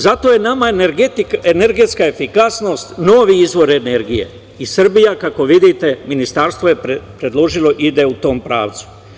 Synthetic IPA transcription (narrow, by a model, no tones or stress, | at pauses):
zat̪o̞je̞namaɾɡt̪iene̞ɾɡe̞t̪skaefikasno̞ːst̪no̞ːʋiizʋo̞ɾe̞ne̞ɾɡije̞̰ | isrbijakako̞ʋid̪it̪e̞minist̪aɾst̪ʋo̞je̞ppɾe̞d̪lo̞ʒilo̞ʔid̪eut̪o̞ːmpɾa̰ːʋt̪su̥